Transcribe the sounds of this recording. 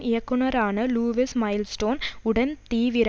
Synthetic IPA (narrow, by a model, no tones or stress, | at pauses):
ɪjɐkːunɐɾaːnɨluːʋismɐjlsʈoːnʊɽɐnt̪iːʋiɾ